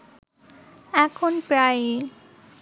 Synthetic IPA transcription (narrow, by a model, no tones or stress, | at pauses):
ɛkʰonpɾaj